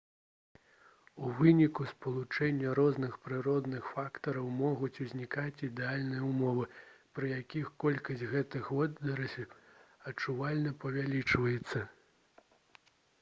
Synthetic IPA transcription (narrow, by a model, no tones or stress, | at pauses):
uvɨnʲikuspɐlˠut͡ʂɛnʲːɐɾɔznɨxpɾɨɾɔd̪nɨxfakt̪ɐɾɐwmɔɣut͡sʲuzʲnʲikat͡sʲid̪ɛalʲnɨjɐumɔvɨpɾɨjakʲixkɔlʲkɐsʲt͡sʲɣɛt̪ɨxɔd̪d̪ɐɾɐsʲɐt͡ʂuvalʲnɐpɐvʲalʲit͡ʂvɐjɛt̪sːɐ